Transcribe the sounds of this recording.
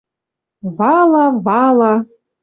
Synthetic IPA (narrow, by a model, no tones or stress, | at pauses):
vɑlˠɑvɑlˠɑ